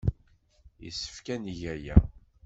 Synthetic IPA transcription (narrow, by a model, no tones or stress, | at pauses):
jḭsːə̥fkæniʝæjæ̰